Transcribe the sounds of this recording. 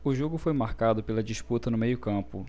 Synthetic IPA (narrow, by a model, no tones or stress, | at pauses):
ʊʒoɡʊfojmaɾkad̪ʊpelɐd͡ʒiʃput̪ɐnʊmejʊkɐ̃pʊ̰